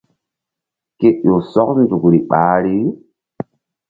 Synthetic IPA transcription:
ke˦o˨sɔ˦kn̩˦zu˨kɾi˨ɓaː˦ɾi˦

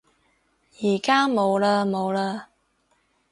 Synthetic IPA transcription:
jiː˨˩kaː˥mo˨˧wlaː˧mo˨˧wlaː˧

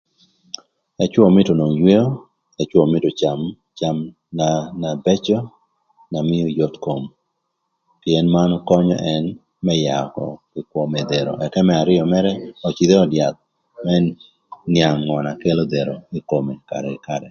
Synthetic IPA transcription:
ɛ˦t͡ʃwɔ˦˨mɪ˦to˨no˨ŋjwe˦o˦ | ɛt͡ʃwɔ˨mɪ˦to˨t͡ʃam | t͡ʃa˦m | nanabɛ˦t͡ʃɔ˦ | na˨mɪ˦o˦jo˦t̪ko˨m | piɛ˨nma˦nɔkɔ˦ɲɔ̰˦ʔɛn | mɛ˦ja˨kɔ̰ | i˨kwo˨me˨d̪e˨ɾo̰˨ʔɛ˨kɛ˦mɛ˦a˨ɾɪɔ˨mɛ˦ɾɛ˦ɔ˨t͡ʃi˨d̪e˦ɔ˨dja˨t̪̚ | mɛ | nja˨ŋːɔ˨na˨ke˦lo˦d̪e˨ɾo˨i˦ko˨me˨ka̰˨ɾɛɪkaɾɛ˨

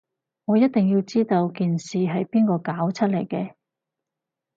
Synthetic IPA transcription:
ŋɔː˨˧jɐ˥t̚t̪ɪ˨ŋjiː˧wt͡siː˥t̪o˧wkiː˨nsiː˨ɦɐ˨jpiː˥nkɔː˧kaː˨˥wt͡sʰɐ˥t̚lɐ˨˩jkɛː˧

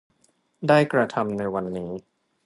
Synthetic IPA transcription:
daː˥˩jkɾa˧t̪ʰa˧mna˧jwa˧nːiː˦˥

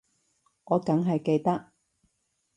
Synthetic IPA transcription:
ŋɔː˨˧kɐ˨˥ŋɦɐ˨jke˧jt̪ɐ˥k̚

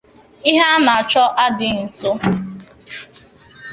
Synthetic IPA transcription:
i˦ɦa˦na˨a˨t͡ʃɔ˦ʔa˦dɪ˨n̩˨so˦

